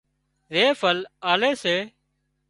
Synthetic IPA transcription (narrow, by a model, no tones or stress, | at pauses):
ɾeːfʰəlaːleːseː